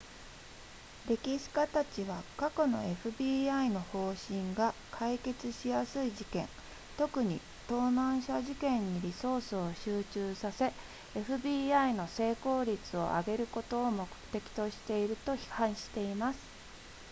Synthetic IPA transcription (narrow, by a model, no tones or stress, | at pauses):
ɾe̞kʲiɕi̥kat̪at͡ɕiβ̞akako̞no̞̰e̞ɸɯ̟bʲiːaino̞ho̞ːɕĩŋɡakʰaike̞t͡sɨɕijasɨiʑikẽ̞̰n | t̪o̞kɯ̟ɲ̟ḭ | t̪o̞ːnãɰ̃ɕaʑikẽ̞ɲ̟ːiɾʲiso̞ːsɨo̞ɕɨːt͡ɕɨːsase̞ | eɸɯ̟bʲiːaino̞se̞ːko̞ːɾʲit͡sɨo̞̰ʔa̰ɡe̞ɾɯ̟ko̞t̪o̞ːmo̞kɯ̟̥t̪e̞kʲi̥t̪o̞ɕi̥t̪e̞iɾɯ̟t̪o̞çi̥hãɰ̃ɕi̥t̪e̞imasɨ̥